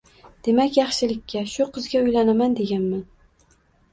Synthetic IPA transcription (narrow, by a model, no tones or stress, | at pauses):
d̪̥e̞makʲjɑχʃɪlɪkʲːaʃʊqʰɨzɡʲaʊjlanamand̪e̞ɡʲanman